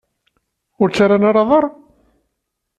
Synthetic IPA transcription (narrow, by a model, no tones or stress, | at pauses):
ʊɾt͡sːaɾanaɾɑðˤɑɾˤ